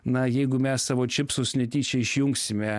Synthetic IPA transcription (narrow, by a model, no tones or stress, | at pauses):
nɐjɛɪɡʊmʲɛsːɑːʋoːt͡ʃʲɪpsʊsʲnʲɛt̪ʲiːt͡ʃʲɛɪʃʲjʊŋksʲɪmʲɛ